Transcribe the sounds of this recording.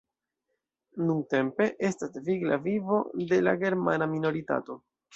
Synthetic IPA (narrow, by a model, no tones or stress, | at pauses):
nunte̞mpe̞ʔe̞stasviɡlavivo̞de̞laɡe̞ɾmanamino̞ɾita̰to̞